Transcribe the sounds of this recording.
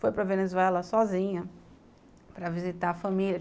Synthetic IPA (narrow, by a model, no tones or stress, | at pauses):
fojpɾɐvenezuɛlɐsɔzĩɲɐ | pɾɐvizit̪aɐfɐmilʲjɐ